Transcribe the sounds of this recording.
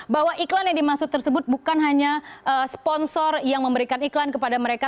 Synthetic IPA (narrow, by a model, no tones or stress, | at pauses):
baɦwaʔiklanjaŋdimasʊt̪ərsəbʊt̪̚bukanɦaɲaəspɔnsɔrjaŋməmbəɾikaniklankəpadaməɾeka